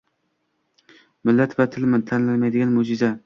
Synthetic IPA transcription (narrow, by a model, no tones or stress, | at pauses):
mɪlːɛt̪vɛt̪ʰːɪlmɪnt̪ʰænlɪlmɛjd̪ɪɡʲɛnmʊd͡ʒɪzɛ